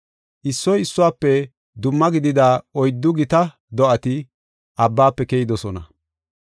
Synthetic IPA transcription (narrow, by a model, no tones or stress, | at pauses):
ʔɪsːɔjɪsːʊwaːpːɛ | d̪ʊmːɐɡɪd̪ɪd̪aːɔjd̪ːʊɡɪt̪ɐ | d̪ɔʔɐt̪ɪ | ʔɐbːaːpːɛkɛjɪd̪ɔsɔnɐ̰